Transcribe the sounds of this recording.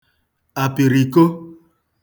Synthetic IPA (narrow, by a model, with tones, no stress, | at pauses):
a˨pi˨ɾi˨ko˦